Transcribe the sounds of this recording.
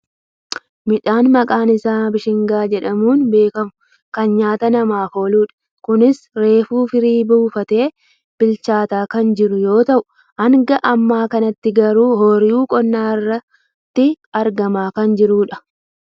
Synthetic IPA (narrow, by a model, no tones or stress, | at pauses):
mɪᶑaːnmɐkʼaːnɪsaːbɪʃɪŋɡaːd͡ʒɛᶑɐmuːnbe̞ːkɐmʊ̥ | kɐnɲaːt̪ɐnɐmaːfo̞ːluːᶑɐ̥ | kʊnɪs | ɾe̞ːfuːfɪɾiːbuːfɐt̪e̞ː | b̥ɪlt͡ʃaːt̪aːkɐnd͡ʒɪɾʊjo̞ːt̪ɐʔʊ̥ | hɐŋɡɐʔɐmːaːkɐnɐt̪ːɪɡɐɾuːhoːɾɪjuːkʼɔnːaːɪrːɐ | t̪ːɪ | ɐɾɡɐmaːkɐnd͡ʒɪɾuːᶑɐ̥